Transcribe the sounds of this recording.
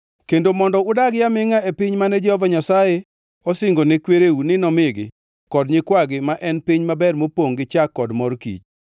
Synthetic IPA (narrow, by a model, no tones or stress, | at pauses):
kendomɔndɔʊdaɡjamɪŋaepɪɲmanɛd͡ʒɛhɔvaɲasaje | ɔsɪŋɡonɛkweɾeunɪnɔmɪɡɪ̰ | kɔdɲɪkwaɡɪmaʔɛnpɪɲmabɛrmopoŋɡɪt͡ʃakːɔdmɔrkḭt͡ʃ